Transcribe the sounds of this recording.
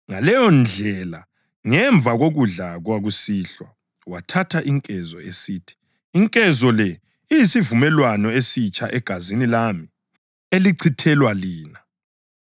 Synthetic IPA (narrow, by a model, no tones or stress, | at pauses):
ŋalɛjɔnd͡ɮʱɛla | ŋɛɱb̪vʱaɣoɣuɮaɣwaɣusiːɬwa | watʰatʰaʔiŋkʼɛzɔ̰esiːtʰi̥ | iŋkʼɛzɔlɛ | ijisivumɛlwanɔesit͡ʃʼaʔɛɡ̥ʱazinilami | eliǀʰitʰɛlwaliːna